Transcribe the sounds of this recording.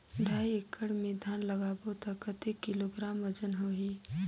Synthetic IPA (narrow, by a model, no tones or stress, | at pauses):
ɖʱaːiekʰəɽmẽd̪ʱjaːnləɡaːbot̪əkət̪ekɪloɡɾaːmʋəd͡ʒənɦoɦiː